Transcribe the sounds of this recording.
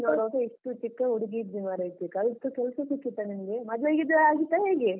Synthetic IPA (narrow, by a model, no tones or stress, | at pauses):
noːɽoːɡɐiʂʈut͡ʃikːɐuɽiɡid̪bimaɾɐit̪ikɐlt̪ukɛlsɐsikːit̪ːɐnimɡemɐd͡ʒ̪ʋeɡid̪ɐaːɡit̪ːaɦeːɡe